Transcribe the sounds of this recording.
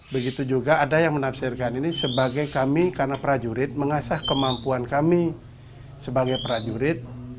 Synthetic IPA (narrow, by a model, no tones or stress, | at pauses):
bəɡit̪ud͡ʒuɡaːdajaŋmənafsɪrkaninisəbaɡajkamikarnapɾad͡ʒuɾɪt̪̚məŋasahkəmampuankami | səbaɡajpəɾad͡ʒuɾɪt̪̚